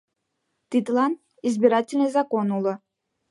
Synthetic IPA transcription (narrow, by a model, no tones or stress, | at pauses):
t̪ʲit̪lˠɑn | izbʲɪɾatʲɪlʲnɨjzɑkonulˠɤ̆